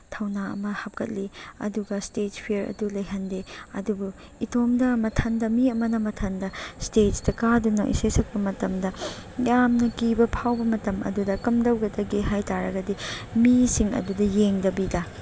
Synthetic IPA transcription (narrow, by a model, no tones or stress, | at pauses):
tʰɐwnaɐ̰mɐhɐp̚kɐt̚liɐ̰duɡɐstetpʰijɐɾɐ̰dulɐjɦɐndeɐdubu | itʰomdɐmɐtʰɐndɐmiɐmɐnɐmɐtʰɐndɐstettɐkadunɐʔḭsesɐk̚pɐmɐtɐmdɐjamnɐkibɐpʰawbɐmɐtɐmʔɐ̰dudɐkɐmdɐwɡɐdɐɡeɦajtaɾɐɡɐdimisiŋɐ̰dudɐjeŋdɐbidɐ